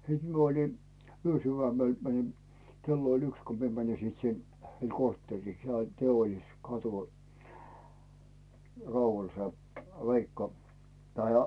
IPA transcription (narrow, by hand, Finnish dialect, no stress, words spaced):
siːt mie olin̞ yøsyʋæmel mænin̞ kelːo olʲ yks ko mie mænin̞ sit sin heil kortːeˑrːiː sĕol teolːiskɑtu rɑumɑl se ʋeikːɑ tɑi